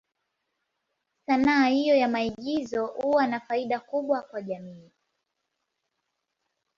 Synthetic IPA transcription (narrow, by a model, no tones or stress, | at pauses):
sanaːhijɔjamaiɠizɔhuwanafaiɗakuɓwakwaʄamiː